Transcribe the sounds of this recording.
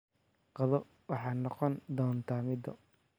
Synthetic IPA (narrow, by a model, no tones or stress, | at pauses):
qɑðɔ | wɑħɑːnɔqɔnd̪ɔːnt̪ʰaːmɪd̪ɔ̰